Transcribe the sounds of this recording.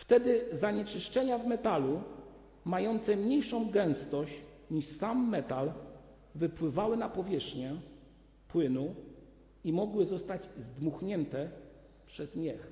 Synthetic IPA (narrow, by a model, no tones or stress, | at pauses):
ft̪ɛd̪ɘzaɲɛt͡ʂɘʂt͡ʂɛɲavmɛt̪alu | majɔnt̪sɛmɲejʂɔ̃w̃ɡɛ̃w̃st̪ɔɕt͡ɕ | ɲiʂsamːɛt̪al | vɘpwɘvawɘnapɔvʲjɛʂxɲɛ | pwɘnu | imɔɡwɘzɔst̪ad͡ʑzd̪muxɲɛnt̪ɛ | pʂɛzmʲjɛx